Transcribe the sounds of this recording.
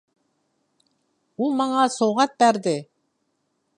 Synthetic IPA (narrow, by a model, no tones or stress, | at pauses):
ulˠmɑɴɑsowʁɑt̪̚bæɾd̪ɪ